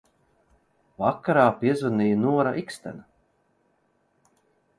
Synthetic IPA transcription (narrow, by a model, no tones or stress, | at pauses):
vakːaɾaːpiɛzunijnuɔɾaʔikst̪æ̰na